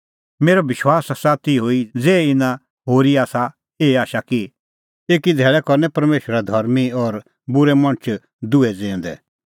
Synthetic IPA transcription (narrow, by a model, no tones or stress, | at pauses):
meːɾɔʋɪʃwaːssaːt̪iɦoːid͡zeːɪnã | ɦoːɾiaːsa | eːaːʃaki | eːkid̪ʱɛːɭɛkɔɾnɛpɐɾmeːʃəɾad̪ʱɐɾmiɔɾ | bʊɾɛmɐ̃ñt͡ʃʰ | d̪ʊɛd͡zẽːʊ̃nd̪ɛ̰